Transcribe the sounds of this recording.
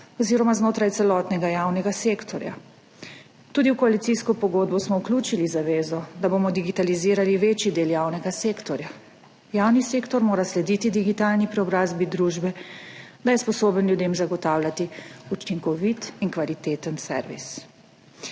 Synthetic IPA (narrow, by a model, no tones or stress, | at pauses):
ɔziːɾɔmaznoːt̪ɾajt̪sɛlɔt̪nɛɡajaːwnɛɡaseːkt̪ʰɔɾja̰ | t̪uːd̪iwkɔalit̪siskɔpɔɡoːd̪̚bɔsmɔwklʲuːt͡ʃilizaʋeːzɔd̪aboːmɔd̪iɡit̪aliziːɾaliʋeːt͡ʃid̪eːljaːwnɛɡaseːkt̪ɔɾja | jaːwniseːkt̪ɔɾmoːɾaslɛd̪iːt̪id̪iɡit̪aːlnipɾɛɔbɾaːzbid̪ɾuːʒbɛd̪ajɛspɔsoːbənljud̪eːmzaɡɔt̪aːwlʲjat̪iut͡ʃiŋkɔʋit̪iŋkʋalit̪eːt̪ənsɛ̰ɾʋḭs